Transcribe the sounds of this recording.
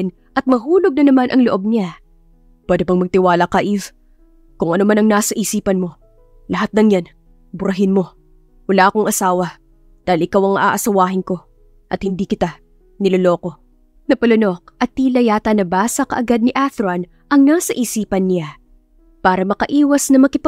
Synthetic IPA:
n | ʔɐt̪̚mɐɦuːloɡ̚nɐnɐmanʔɐŋloʔo̞b̚nɪa | pɛːd̪opɐŋmɐɡ̚t̪ɪwaːlɐkɐʔiv | kʊŋʔɐnomanɐŋnaːsɐʔiːsiːpɐnmo̞ | lɐɦat̪̚nɐŋjan | bʊɾɐɦɪnmo̞ | wɐlaːʔɐkoŋʔɐsaːwɐ | d̪̥aːhɪlʔɪkawɐŋʔa̰ːʔɐsɐwaːɦɪnko̞ | ʔɐt̪̚hɪnd̪iːkɪt̪a | nɪloloːko̞ | nɐpɐlono̞k̚ʔɐt̪ːilɐjaːt̪ɐnɐbaːsɐkɐ̰ʔɐɡad̪̚nɪʔaθɾɐn | ʔɐŋnaːsɐʔiːsiːpɐnːɪa | paːɾɐmɐkɐʔiːwɐsnɐmɐkɪp

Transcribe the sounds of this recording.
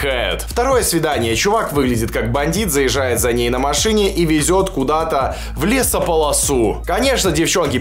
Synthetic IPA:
ajʊ̰t̪ft̪ɐɾo̞jəsvʲɪd̪anʲɪjət͡ɕʊvakvɨɡlʲɪdʲɪt̪̚kak̚bɐnʲdʲit̪zəjɪʐːajɪt̪zɐnʲejnəmɐʂɨnʲɪʔivʲɪzʲo̞t̪kʊd̪at̪ə | vlʲesəpəlˠɐsukɐnʲe̞ʂnədʲɪft͡ɕo̞nkʲɪ

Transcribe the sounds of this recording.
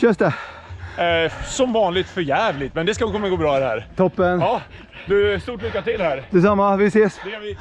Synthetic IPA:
ɕœnsd̪ɛ | sɔmvɑːnlɪɡt̪fœɾjæːvlɪɡ̚t̪mɛnd̪ɛskavkɔnːaɡoːbɾɑːd̪ɛhæ̰ːɾt̪ʰɔpːənɑː | d̪ɵst̪uːʈlʏkːat̪ɪlhæːɾd̪ɛs̬amːavɪseːsd̪ɛkʰanvɪ

